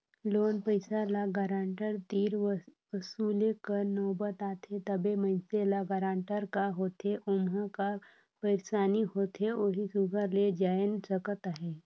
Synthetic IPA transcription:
loːnpəɪsalaɡaːɾãːɳʈəɾt̪iːɾʋəsuːlekənɔːbət̪aːt̪ʰet̪əbemə̃ɪnselaɡaɾãːɳʈəɾkaɦoːt̪eʔʊmɦəka | pəɪɾsaːniɦoːt̪ɦeoɦisuɡʱəɾled͡ʒaːjənsəkət̪aɦɛː

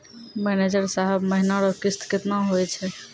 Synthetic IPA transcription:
mɛned͡ʒəɾsaɦɛbməɦinaɾɔkist̪ket̪naɦojt͡ʃʰɛ

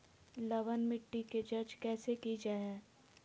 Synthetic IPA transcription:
lɐʋənmɪʈːiked͡ʒɐd͡ʒkɛːsekid͡ʒaɦɛː

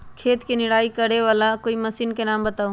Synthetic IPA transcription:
kʰeːt̪kinɪɽaːikɐɽeʋaːlakoːimɐsiːnkenaːmbɐt̪aːũ

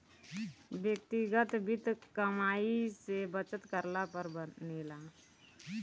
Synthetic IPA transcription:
bjək̚t̪iɡət̪bɪt̪kəmaːisebət͡ʃət̪kəɾlapəɾbənelaː

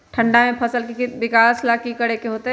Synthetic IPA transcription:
ʈʰə̃ɳɖamẽpʰɐsəlkiʋɪkaːslaːkikɐɽekeɦoːt̪e

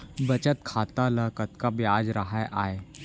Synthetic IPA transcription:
bɐt͡ʃət̪kʰat̪aləkət̪kabjad͡zɾəɦajʔaːe

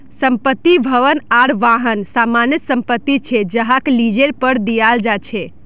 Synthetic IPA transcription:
səmpət̪ːibʱəʋənaɾʋaɦənsamanjət̪səmpət̪ːit͡ʃʰɛd͡ʒəɦaklid͡ʒeɾpəɾd̪ijald͡ʒat͡ʃʰɛ

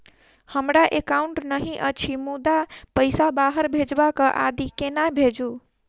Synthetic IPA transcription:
həmɾaʔekauɳʈnəɦĩʔət͡ʃʰimud̪apəjsabaɦəɾbʱed͡ʒbakəʔa̰d̪ikenabʱed͡ʒu

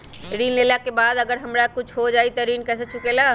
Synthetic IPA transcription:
ɾiːnlelakebaːd̪ɐɡəɾɦəmɾakʊt͡ʃʰɦod͡ʒaːit̪ɐɾiːnkɛːset͡ʃʰʊkela

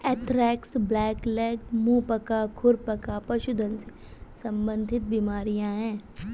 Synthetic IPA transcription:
ɛːʈ̪ʰɾɛːksblɛːklɛːɡmũːpɐkakʰʊɾpɐkapɐʃʊd̪ʱənse | sɐ̃mbə̃nd̪ʱɪt̪̚biːmaːɾijãɦɛ̃ː

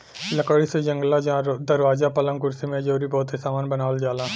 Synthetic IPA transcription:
ləkəɽised͡ʒə̃ŋɡlad͡ʒãd̪əɾʋaːzapɐlə̃ŋkʊɾsimẽd͡ʒoːɾibɔːt̪ɦesaːmaːnbənaːʋəld͡ʒaːlaː

